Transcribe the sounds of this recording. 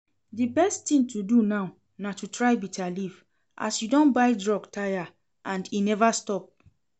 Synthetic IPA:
dibɛsttĩntudunaw | natutɹaɪbitʰaliv | ʔa̰sjudɔ̃nbaɪdɹɔɡtʰaja | ʔãndinɛvastɔp̚

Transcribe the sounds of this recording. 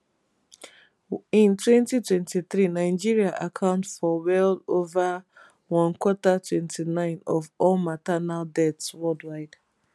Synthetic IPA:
ĩntwɛ̃ntitwɛ̃ntiθɾinaɪd͡ʒiɾiaʔakʰãʊ̃ntfɔwɛldova | wɔ̃nkwɔtatwɛ̃ntʰinãɪ̃nɔvɔlmatanaldɛtswɛldwaɪd̥

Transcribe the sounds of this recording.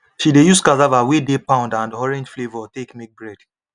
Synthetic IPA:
ʃidejuskazavawedepãʊ̃ndãndɔɹɛ̃nd͡ʒflevɔtekmek̚bɹɛd̥

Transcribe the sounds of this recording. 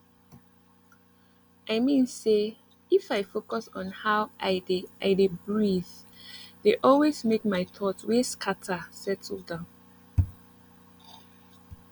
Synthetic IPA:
aɪmĩnse | ifaɪfokɔsɔ̃nhawʔaɪdeʔaɪdebɹið | deʔɔlwezmek̚maɪtʰɔtweskʰatʰasɛd̚tildə̃n

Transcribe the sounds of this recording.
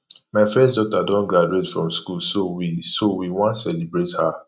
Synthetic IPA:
maɪfɛsdɔtadɔ̃nɡɹad͡ʒuetfɹɔ̃mskulsowisowiwɔ̃ntsɛlibɹetha

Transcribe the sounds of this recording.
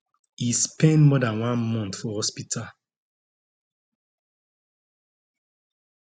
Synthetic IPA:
ispɛ̃ndmɔdãnwãnmɔ̃nt̪fɔhɔspitʰal

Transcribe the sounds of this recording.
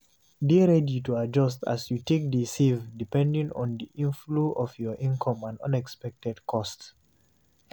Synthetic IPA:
deɹɛdituad͡ʒʌstʰa̰sjutek̚disivdipɛ̃ndĩŋɔ̰̃nd̪iʔĩnfluʔɔfjɔʔĩnkʰɔ̃mãndʌ̰̃nɛkspɛk̚tɛdkʰɔst

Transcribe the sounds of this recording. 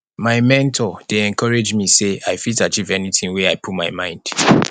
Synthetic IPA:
maɪmɛ̃ntʰɔd̥eɛ̃nkʰɔɹed͡ʒmiseaɪfitat͡ʃivɛnitĩnwɛaɪpʰut̚maɪmãɪ̃nd̥

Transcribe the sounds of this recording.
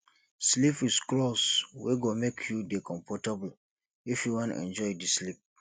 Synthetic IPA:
slipisklɔswḛɡomekʰjudekʰɔ̃mfɔtabl̩ | ifjuwɔ̃nɛ̰̃nd͡ʒɔjdislip̚

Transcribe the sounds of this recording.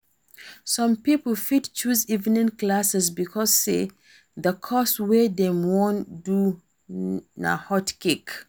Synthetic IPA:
sɔ̃mpipəl̩fidt͡ʃuzivnĩnklasɛsbikʰɔsːe | ðəkʰɔswedɛ̃mwɔ̃ndu | na̰hɔtkek

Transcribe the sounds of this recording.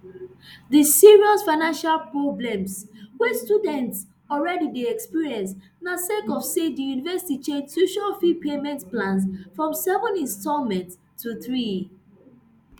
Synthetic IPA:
ðisiɹiɔsfaɪnãnʃalpɹɔblɛ̃mswɛstudɛ̃nts | ɔlɹɛdideɛkspiɹiɛ̃ns | nasekɔvsedijunivɛsi̥tit͡ʃẽnstuʃɔfipʰemɛ̃ntplãns̬fɹɔ̃msɛvə̃nĩnstɔlmɛ̃ntʰː | uθɹi

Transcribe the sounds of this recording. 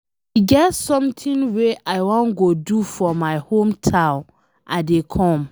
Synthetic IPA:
iɡɛtsɔ̃mtʰĩnweʔaɪwɔ̃nɡodufɔmaɪhõmtʰãn | ʔadekʰɔ̃m

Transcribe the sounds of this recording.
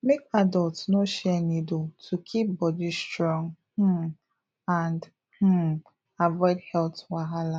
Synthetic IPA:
mekadɔltnoʃɛnidotʰukʰip̚bɔdistɾɔ̃ŋ | h̩ | ãnd | h̩ | avɔɪdhɛltwaɦala

